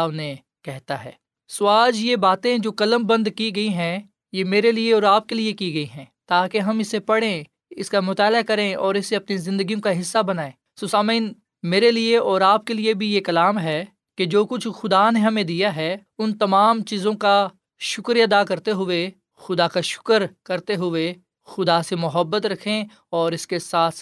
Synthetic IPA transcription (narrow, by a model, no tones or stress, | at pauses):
aʋne | kɛɦt̪aɦɛ̰ː | sʊaːd͡ʒjebaːt̪ẽd͡ʒoːkɐləmbɐ̃nd̪kiɡɐiɦɛ̃ | jemeːɾelieɔːɾaːp̚keliekiɡɐiɦɛ̃ːt̪aːkeɦɐmɪsepɐɽẽ | ɪskamʊt̪aːlakɐɾẽɔːɾɪseɐpnizɪ̃nd̪əɡijõkaɦɪsːabɐnaːẽː | sosaːmiːn | meːɾelieɔːɾaːp̚keliebʱijekɐlaːmɦɛː | ked͡ʒoːkʊt͡ʃʰxʊd̪aneɦɐmẽd̪ijaɦɛʊnt̪ɐmaːmt͡ʃiːzõka | ʃʊkɾiɐd̪akɐɾt̪eɦʊe | xʊd̪akaʃʊ̥kəɾkɐɾt̪eɦʊe | xʊd̪asemʊɦəbːət̪ɾɐkʰẽ | ɔːɾɪskesaːt̪ʰ